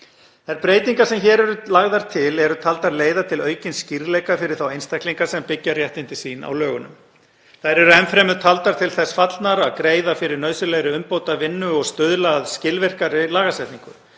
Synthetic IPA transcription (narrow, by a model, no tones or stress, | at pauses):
θajɾpɾeːjt̪iŋkasɛmçɛːɾɛɾʏlaɣðaɾ̥t̪ʰɪlɛɾʏt̪ʰalt̪aɾleːjðat̪ʰɪlœːɥcɪnsciɾlɛjkafɪɾɪɾ̥θawejnst̪ajhkliŋkasɛmpɪcːarjɛht̪ɪnt̪ɪsiːna̰wlœːɣʏnʏ̰m | θaðɾɛɾʏɛnfɾɛːmʏðt̪ʰalt̪aɾt̪ʰɪlθɛsfat̪lnaɾaðkɾeːjðafɪɾɪɾnœːðsʏlɛjɾɪʏmpoːwt̪avɪnːʏɔɣst̪œðlaðscɪlvɪr̥kaɾɪlaːɣasɛht̪niŋkʏ̰